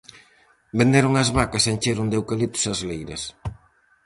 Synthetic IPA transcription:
bend̪eɾʊŋɐzβakɐsent͡ʃeɾʊnd̪ewkalit̪ʊ̥sɐzlejɾɐ̰s

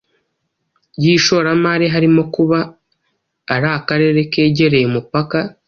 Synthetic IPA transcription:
jiʃo̞ɾamaɾeɦaɾimo̞kuβaː | ɾakaɾe̞ːɾe̞ke̞ːɟe̞ɾe̞jemupaka

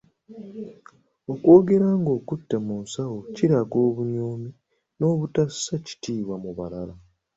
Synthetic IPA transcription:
o̞kwo̞ːɡe̞ɾaŋɡo̞ːkutːe̞musawociɾaɡo̞ːβuɲoːmi | no̞ːβutasːaci̥tiːβwamuβalala

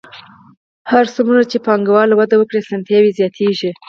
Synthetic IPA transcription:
haɾsumunat͡ʃepɑŋɡawɑlawad̪awəkɽesant̪jɑwizjɑt̪ʰeʒi

